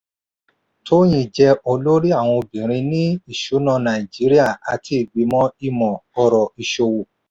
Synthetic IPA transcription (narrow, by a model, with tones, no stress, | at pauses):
tʰo˦j̃ĩ˦˨d͡ʒɛ˧o˧lo˦ɾi˦a˦˨w̃ɔ̃˧o˧bĩ˨ɾ̃ĩ˧nĩ˦i˦˨ʃu˨˦nã˦˧nã˨i˨d͡ʒi˨˦ɾi˦a˦˨a˨˧tʰi˨˦i˨ɡ͡bi˨˦mɔ̃˦i˧mɔ̃˨ɔ˧ɾɔ˨i˨ʃo˧wu˨